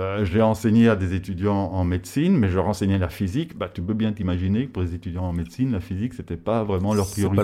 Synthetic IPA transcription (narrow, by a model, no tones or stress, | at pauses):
øʒeɑ̃seɲead̪ezet̪yd̪jɑ̃ɑ̃med̪sinmɛʒəʁɑ̃sɛɲɛlafizikbat̪ypøbjɛ̃t̪imaʒinekəpuʁlezet̪yd̪jɑ̃ːmed̪sinlafizikset̪ɛpavʁɛmɑ̃lœʁpχijɔʁi